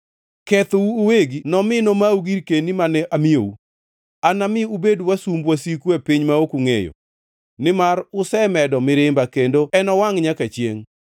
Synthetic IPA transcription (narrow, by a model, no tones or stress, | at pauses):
kɛt̪ouːweɡinɔmɪnomauɡiɾkenimanɛʔamɪo̰u | anamɪubedwasumbwasikuepiɲmaokuŋejo̰ | nɪmaɾʊsɛmɛdɔmɪɾɪmbakendoɛnɔwaŋɲakat͡ʃjḛŋ